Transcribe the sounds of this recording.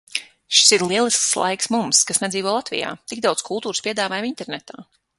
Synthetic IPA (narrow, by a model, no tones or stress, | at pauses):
ʃi̥siɾlˠiɛlˠiskslˠa̰jksmumskasnɛd̪iːvɔlˠat̪vḭja̰ːt̪iɡ̚d̪awt̪skʰulˠt̪uːɾɨspiɛd̪aːvaːjamint̪ɛɾnɛt̪a̰ː